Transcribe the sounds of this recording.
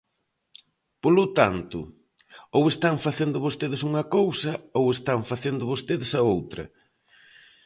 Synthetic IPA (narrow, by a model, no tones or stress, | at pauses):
polʊt̪ant̪ʊ̰ | owest̪aŋfaθend̪ʊβost̪eðɪsuŋɐkowsɐowest̪aŋfaθend̪ʊβost̪eðesɐowt̪ɾɐ̰